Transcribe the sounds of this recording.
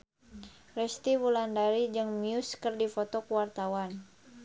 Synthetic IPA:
rɛst̪iwulandaɾid͡ʒɨŋmiuskɨrdifɔt̪ɔkuwart̪awan

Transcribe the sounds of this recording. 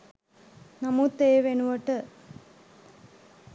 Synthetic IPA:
nɐmut̪ːeːʋenuʋɐʈə

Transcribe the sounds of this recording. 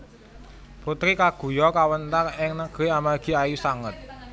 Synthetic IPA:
put̪ɾikaɡ̥ṳjɔkawənt̪akɪŋnəɡ̥ɾiamaɡ̥i̤ajusaŋət̪̚

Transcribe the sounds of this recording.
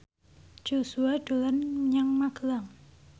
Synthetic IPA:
d͡ʒ̥osuaɖ̥o̤lanɲaŋmaɡ̥əlaŋ

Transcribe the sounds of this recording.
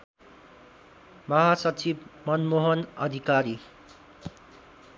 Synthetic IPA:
mʌɦasʌt͡sʰibmʌnmoɦʌnʌd̪ʱikaɾi

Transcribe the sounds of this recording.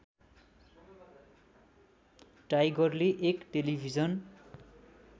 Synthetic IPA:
ʈajɡʌrleʔekʈelibʱid͡zʌn

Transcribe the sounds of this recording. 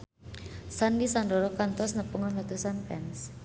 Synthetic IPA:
sandisandɔɾɔkant̪ɔsnəpuŋɔnlat̪usanpɛns

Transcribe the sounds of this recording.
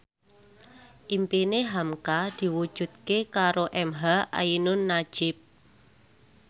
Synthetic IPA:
ʔimpineɦamkad̪̥i̤wud̥ʒ̥ṳt̪̚kekaɾoʔɛmɦaʔa̰inʊnːḁʒ̥ɪp̚

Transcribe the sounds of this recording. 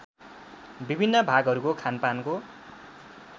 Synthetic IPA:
bibʱinːʌbʱaɡɦʌɾukokʰanpanko

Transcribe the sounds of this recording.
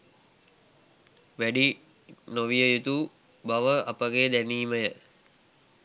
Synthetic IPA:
ʋæɖi | noʋijəjut̪u | baʋəɐpəɡed̪æniːməjə

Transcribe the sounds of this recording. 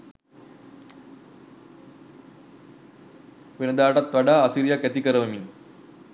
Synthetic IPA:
ʋenɐd̪aːʈat̪ʋaɖaːsiɾijakɛt̪ikəɾəʋɐmin

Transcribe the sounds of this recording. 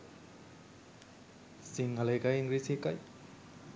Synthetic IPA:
siŋalejkajiŋɡɾisekaj

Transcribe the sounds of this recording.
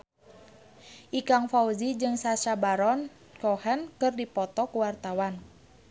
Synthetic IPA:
ʔikaŋfauzid͡ʒɨŋsaʃabaɾɔn | kɔhɛnkɨrdipɔt̪ɔkuwart̪awan

